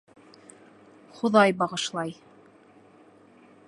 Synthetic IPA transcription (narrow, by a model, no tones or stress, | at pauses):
χoðɑjbɑʁɤ̆ʃlˠɑj